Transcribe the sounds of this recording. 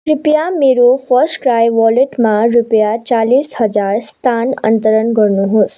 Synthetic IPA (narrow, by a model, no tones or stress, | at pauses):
ɾupjameːɾofəɾsʈkɾaːjʋɔleʈmãɾupjat͡ʃaːliːshəd͡zaɾst̪ʰanə̰̃nt̪əɾənɡəɾnuɦoːs